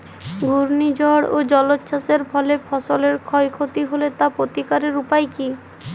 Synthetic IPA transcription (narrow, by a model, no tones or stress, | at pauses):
ɡʱuɾnid͡ʑɔɽo̰d͡ʑɔlotːʃʰaseɾpʰɔlepʰɔsoleɾkʰɔjkʰot̪iɦolet̪apot̪ikaɾeɾupajki